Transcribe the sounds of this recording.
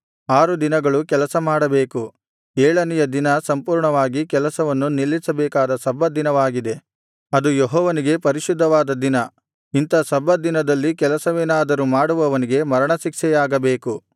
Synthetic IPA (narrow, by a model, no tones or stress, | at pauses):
aːɾud̪inɐɡɐɭukɛlɐsɐmaːɽɐbeːku | eːɭɐnijɐd̪inɐsɐmpuːɾɳɐʋaːɡikɛlɐsɐʋɐnːunilːisɐbɛːkaːd̪ɐsɐbːɐd̪inɐʋaːɡid̪e̞ | ɐd̪ujɔɦɔːʋɐniɡe̞pɐɾiʃud̪ʱːɐʋaːd̪ɐd̪inɐ | int̪ɐsɐbɐd̪inɐd̪ɐlːikɛlɐsɐʋeːnaːd̪ɐɾumaːɽuʋɐʋɐniɡe̞mɐɾɐɳɐʃikʂɛjaːɡɐbeːku